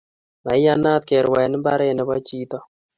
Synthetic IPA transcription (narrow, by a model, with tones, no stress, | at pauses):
ma˨i˦a˦na˦t̪̚kɛ˨ɾwa˨nɪ˦mba˦ɾe˦˨nɛ˨˦bɔ˦t͡ʃiː˦t̪ɔ˦